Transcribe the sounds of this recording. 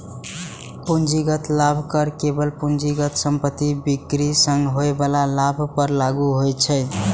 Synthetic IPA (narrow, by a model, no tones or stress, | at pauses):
pund͡ʒiɡət̪labʱkəɾkebəlpund͡ʒiɡət̪səmpət̪ibikɾisə̃ŋɡɦoebalalabʱpəɾlaɡuɦojt͡ʃʰəj